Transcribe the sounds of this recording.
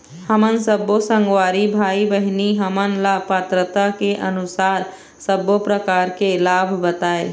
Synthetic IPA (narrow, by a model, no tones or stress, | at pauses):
həmənsəbosə̃ŋɡwaːɾibʱaːibəɦiniɦəmənlapət̪ɾət̪akeʔənʊsaːɾ | səbopɾəkaːɾkelaːbʱbət̪aːe